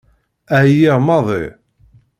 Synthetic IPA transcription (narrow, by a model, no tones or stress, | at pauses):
æjiʁmɑðˤɪ̰